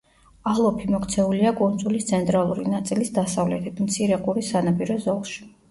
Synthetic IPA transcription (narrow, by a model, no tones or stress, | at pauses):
alˠɔpʰimɔkʰt̪sʰɛuliakʼund̪zʼulist̪sʰɛnt̪ʼɾalˠuɾḭnat̪sʼilisd̪asavlɛt̪ʰit̪ʰmt̪sʰiɾɛqʼuɾisanapʼiɾɔzɔlˠʃi̥